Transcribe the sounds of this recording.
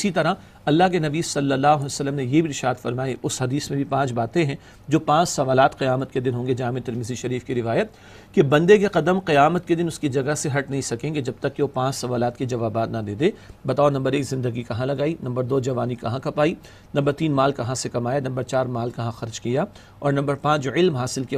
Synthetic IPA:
ɪsit̪ɐɾa | ɐlːaɦkenɐbiːsɐlːəlːaːɦsɐlːəmnejebʱiɾɪʃaːd̪fɐɾmaːiʔʊsɦɐd̪iːsmẽbʱipãːt͡ʃbaːt̪ẽɦɛ̃ | d͡ʒoːpãːt͡ʃsɐʋaːlaːt̪qɐjaːmət̪̚ked̪ɪnɦõːŋɡed͡ʒaɦãmẽt̪ɐɾmɪziʃɐɾiːfkiɾɪʋaːjət̪̚ | kebɐ̃nd̪ek̬eqɐd̪əmqɐjaːmət̪ked̪ɪnʊskid͡ʒɐɡaseɦɐʈnɐɦĩsɐkẽːŋɡed͡ʒɐb̚t̪ɐkːeʋopãːt͡ʃsɐʋaːlaːt̪kid͡ʒɐʋaːbaːt̪nad̪ẽːd̪eːbɐt̪aːonɐ̃mbəɾeːkzɪ̃nd̪əɡikɐɦãlɐɡaːinɐ̃mbəɾd̪oːd͡ʒɐʋaːnikɐɦãkɐpaːi | nɐ̃mbəɾt̪iːnmaːlkɐɦãsekɐmaːjanɐ̃mbəɾt͡ʃaːɾmaːlkɐɦãxɐɾd͡ʒkija | ɔːɾnɐ̃mbəɾpãːt͡ʃɪlmɦaːsɪlki

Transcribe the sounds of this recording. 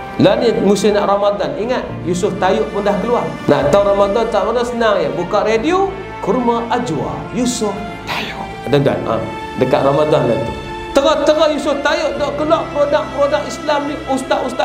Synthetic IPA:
lanimusʊnaʔramadaniŋat̪̚jusʊft̪ajʊʔpundahkəluaŋna̰ʔt̪awɾamadant̪aʔmadansənaŋjabukaʔradio | kurmaʔad͡ʒua̰ | jusʊf | t̪ajʊʔdəŋɡa̰na̰ | dəkat̪̚ramadanla̰t̪ḭ | t̪əŋɔht̪əŋɔhjusʊft̪ajʊʔdoʔkəluaʔpəɾodak̚pəɾodakislamniʔust̪aʔust̪a

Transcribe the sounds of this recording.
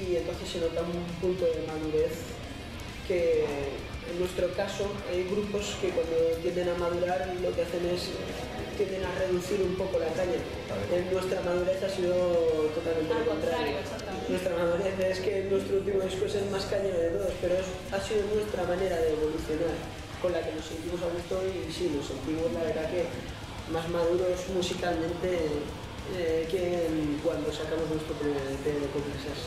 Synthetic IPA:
ient̪onθesːenot̪aumpunt̪oðemaðuɾeθ | ke | enːwest̪ɾokasoajɣɾuposkekwand̪ot̪jend̪enamaðuɾaɾlokeaθenes | t̪jend̪enareðuθiɾumpokolakaɲa | enːwe̞st̪ɾamað̞uɾeθasiðot̪ot̪alment̪eekont̪ɾaɾjasa | nwest̪ɾamamaneɾaeskenwe̞st̪ɾoult̪̬imoðiskwesezmaskaʎeɾoðet̪oðospe̞ɾoes | asið̞onwe̞st̪ɾamane̞ɾaðeːβoluθjo̞naɾ | konlakenosːe̞nt̪imosaɣust̪oisinose̞nt̪imozlaβe̞ɾðake | mazmaðuɾosmusikalmẽnt̪e | ekeŋkwand̪osakamoznwest̪ɾopɾoleaðet̪eðokomensas

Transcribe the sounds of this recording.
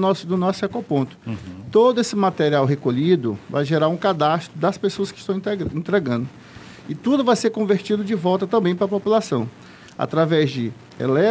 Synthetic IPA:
nɔsd̪ʊnɔsʊakopõnt̪ʊ̥t̪od̪ʊesɪmat̪eɾiawɦekoʎid̪ʊva̰jʒeɾaɾũkad̪ast̪ɾʊd̪ɐspesoɐskɪ̥st̪ɐ̃wĩẽt̪ɾeɡɐ̃nd̪ʊ | ɪt̪ud̪ʊvajseɾkõveɾt͡ʃid̪ʊd͡ʒɪvɔwt̪ɐt̪ɐ̃mbẽj̃pɾɐpopulasɐ̃w̃ | a̰t̪ɾavɛzd͡ʒɪ | ḛlɛ

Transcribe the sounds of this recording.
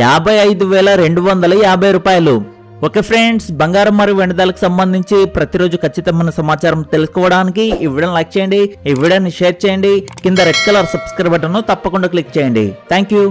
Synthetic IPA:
jaːbʱɐjɐjd̪uʋɛːlɐɾe̞ɳɖuʋɐnd̪ɐlɐjaːbʱɐjɾuːpaːjɐlu | okɐpʰɾeɳɖsbɐŋɡaːɾɐmːɐɾjuʋeɳɐd̪aːlɐku̥sɐmbɐnd̪ʱiɲt͡ʃipɾɐt̪iɾo̞ːd͡ʒukʰɐt͡ʃːit̪ɐmɐnɐsɐmaːt͡ʃaːɾɐmt̪e̞lusu̥kɔːʋɐɽaːnikiiʋiɽɐnlɐkt͡ʃɐːjɐɳɖiːʋiɽɐnːiʃeːɾt͡ʃɛːjɐɳɖikind̪ɐɾeʈkɐlɐɾsɐbskɾɐjbɐʈːɐnut̪ɐpːɐkuɳɖaːk̬lik̚t͡ʃɛːjɐɳɖḭt̪ʰɛːŋkjuː

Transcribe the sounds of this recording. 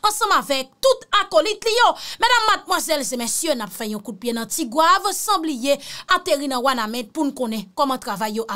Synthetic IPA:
ɑ̃sʌ̃mavɛk̚t̪ut̪akolit̪lijomɛdamːat̪̚mwazɛlzemɛsjønapfɛjɔ̃kud̚pjenɐ̃tiɡwavsʌ̃blijeat̪eʁinɐ̃wanamɛ̃t̪̚punũkõnɛ̃kɔmãt̪ʁavajːoʔa

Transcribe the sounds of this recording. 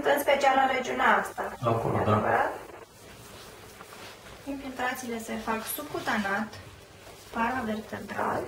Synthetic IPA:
t̪ɨnspe̞t͡ʃialaɾe̞d͡ʒiuneaast̪aako̰lod̪a | iɱfilt̪ɾat̪sile̞se̞faksubkut̪anat̪ | paɾavertt͡ʃ̪ent̪ɾa̰l

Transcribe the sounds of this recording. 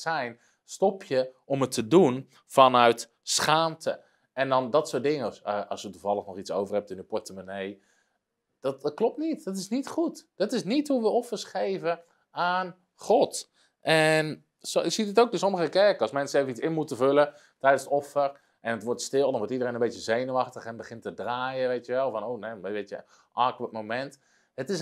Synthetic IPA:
sɛjn | stɔpʰjə | ɔmətʰədun | fɔnœɥt | sχaːmtʰə̰ | ɛndɔndɔtsoːt̚dɪŋəəɑ̰sjətuvɑlˠəxnɔχit͡sso̰wvərhɛp̚tɪnypɔɹtəmanej | d̥ɔtklɔp̚tnitdɔtɪsnitχutd̥ɔtɪsnithuʋəɔfərsχejvə | aːn | χɔt | ʔɛn | soɪksidɪtoːwkdoːs̬ɔməɣəkɛɹkəɑsmɛnsəeːvəitsɪnmutəvølə | tɛjdənsətɔfər | ʔɛnətʋɔɹtstɪlˠdɔnʋɔɹtidəɾejnənbetjəzejnəʋɑxtəχɛnbəχɪntədraːjəʋejtjəʋɛlˠfɔnownɛʋetjə̰ | ʔaːkʋətmomɛnt | ətɪs

